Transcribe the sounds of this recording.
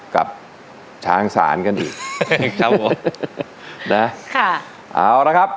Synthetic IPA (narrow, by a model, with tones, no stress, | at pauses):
ka̰˨˩p̚ | t͡ɕʰaː˦˩ŋsa̰ː˩˦nka˧nʔḭː˨˩k̚kʰa˦˥pʰo˨˩˦m | na˦˥kʰa˥˩ | ʔa̰ː˧˩wna˦˥kʰa˦˥p̚